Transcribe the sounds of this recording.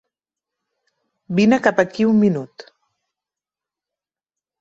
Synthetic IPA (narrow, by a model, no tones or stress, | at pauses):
binəkapəkiumːinut̪